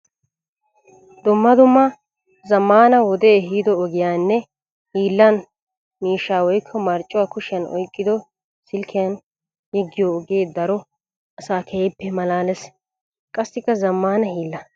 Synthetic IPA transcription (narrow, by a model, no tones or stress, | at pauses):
d̪ʊmːɐd̪ʊmːɐ | zɐmːaːnɐwɔd̪eːɦiːd̪ɔːɡɪjaːnːɛ | hiːlːɐn | miːʃːaːwɔjkʰːɔmɐɾt͡ʃʼːʊwaːkʊʃɪjɐnɔ̰jkʼːɪd̪ɔ | sɪlkʰɪjɐn | jɛɡːɪjoːɡeːd̪ɐɾɔ | ɐsaːkʰeːpːɛmɐlaːlɛs | kʼɐsːɪkːɐzɐmːaːnɐhiːlːɐ